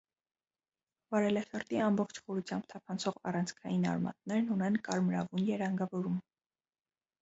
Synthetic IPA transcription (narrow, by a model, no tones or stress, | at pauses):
vɑɾɛlɛsəɾt̪iɑmbɔχt͡ʃʰχɔɾut͡sʰjɑmbt̪ʰɑpʰɑnt͡sʰɔʁɑ̰rɑnt͡sʰkʰɑjinɑ̰ɾmɑ̰t̪̚nɛɾnunɛnkɑɾmɾɑvunjɛɾɑŋɡɑvɔɾum